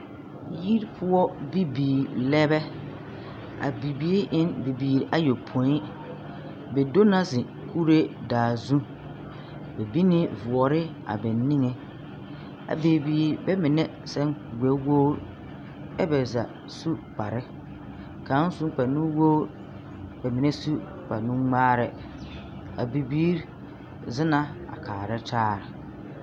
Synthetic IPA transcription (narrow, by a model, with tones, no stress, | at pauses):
ji˦ɾpʰʊ˦ɔ˦bi˦biː˨lɛ˦bɛ˦ | a̰˨bi˨bi˦i˦ʔɪ˦nbi˨biː˨ɾʔa˦jo˨pʰo˨˦i˦ | bɛ˨do˦na˦sɪ˨ | kʰu˦ɾe˦daː˨zũ˦ | bɛ˨bi˦nɪ˦vʊ˨ɔ˨ɾɪ˦ | a̰˨bɛ˨nɪ˦ŋɛ˨ | a̰˨be˨biː˦ɾbɛ˦mɪ̃˨nɛ̃˦sɛ̃˦ŋɡʷɛ˨˦woː˦ɾ | ɛ˦bɛ˨za̰˨ | su˦k͡pʰa˨ɾɪ˦ | kʰã˨˦n˦sũ˦k͡pa˨nũ˦woː˦ɾ | bɛ˨mɪ̃˨nɛ̃˦su˦ | k͡pʰa˨nũ˦ŋ͡maː˦ɾɪ˨ | a̰˨bi˨biː˦ɾ | zɪ˦nã˦a̰˨kʰaː˨ɾɛ˦tʰaː˦ɾɪ˨